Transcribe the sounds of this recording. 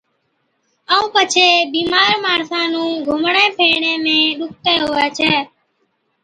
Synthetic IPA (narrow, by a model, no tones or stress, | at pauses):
əũːpət͡ʃʰeːbiːmaːɾmaːɾsãːnũːɡʱʊmɳẽːpʰeːɳeːmẽːɗʊk̚ʰt̪eːɦoːeːt͡ʃʰɛː